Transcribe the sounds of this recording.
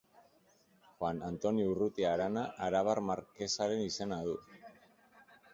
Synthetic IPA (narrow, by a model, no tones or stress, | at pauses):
xwanant̪o̞niurut̪iaɾanaʔːɾaβ̞armaɾke̞saɾe̞nise̞naðu